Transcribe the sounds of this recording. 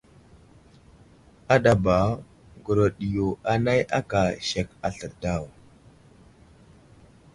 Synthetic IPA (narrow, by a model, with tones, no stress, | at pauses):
a˦ɗa˨ba˨ | ɡu˨ɾo˨ɗi˨jo˨a˨na˦jʔa˦ka˨ʃe˨ka˨ɬə˨ɾda˦˨w